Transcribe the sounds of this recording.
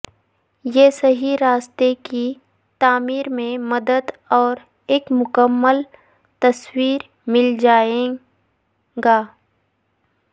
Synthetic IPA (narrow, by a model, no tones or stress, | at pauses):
jeːsɐɦiɾaːst̪eki | t̪aːmiːɾmẽmɐd̪əd̪ɔːɾ | eːkmʊkəmːəl | t̪ɐswiːɾ | mɪld͡ʒaːẽː | ɡaː